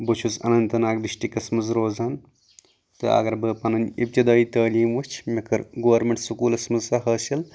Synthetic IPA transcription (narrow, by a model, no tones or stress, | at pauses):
bɨt͡ʃʰuzɐ̰nɐnt̪ɐnaːk̚d̪iʃʈikɐsmɐzɾoːzaːn | t̪ɨ̰ɐ̰ɡɐɾbɨːpɐnɐnʲip̚t̪id̪aːit̪ɐːliːmʋut͡ʃʰmɐkʰɐɾɡoːɾmʲeɳʈsukuːlɐsmɐzsɐɦɐːsɐl